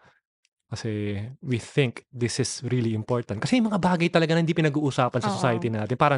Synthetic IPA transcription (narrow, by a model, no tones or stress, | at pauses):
kɐsɛwiθɪŋkd̪ɪsɪsɾiliɪmpoɹt̪ɐnt̪̚kɐsɛjʊmɐŋabaːɡɐjt̪ɐlɐɡanɐɪnd̪ipɪnɐɡuːʔusaːpɐnsɐsosaːjɐt̪inaːt̪ɪnpaːɾɐ